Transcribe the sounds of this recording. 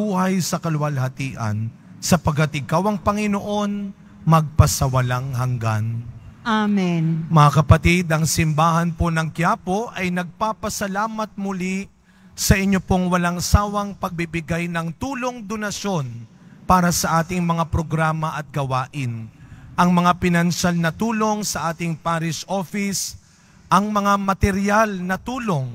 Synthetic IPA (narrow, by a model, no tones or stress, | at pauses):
uːhɐjsɐkɐlʊwɐlhɐt̪iːʔɐ̰n | sɐpɐɡ̚kɐt̪ɪkawɐŋpɐŋɪnoʔo̞n | mɐɡ̚pɐsɐwɐlaŋɦɐŋɡanaminmɐŋakɐpɐt̪id̪ɐŋsɪmbaːhɐnpo̞nɐŋkɪjaːpo̞ʔɐjnɐɡ̚papɐsɐlaːmɐt̪̚mʊli | sɐʔɪɲːo̞po̞ŋwɐlaŋsaːwɐŋpɐɡ̚bɪbɪɡajnɐŋt̪uːlo̞ŋd̪o̞nɐʃo̞n | paːɾɐsɐʔaːt̪ɪŋmɐŋapɾo̞ɡɾaːmɐʔɐt̪̚ɡɐwaːʔɪnʔɐŋmɐŋapɪnɐnsalnɐt̪uːlo̞ŋsɐʔaːt̪ɪŋpaːɾɪsʔo̞fɪs | ʔɐŋmɐŋamɐt̪ɛɾjalnɐt̪uːloŋ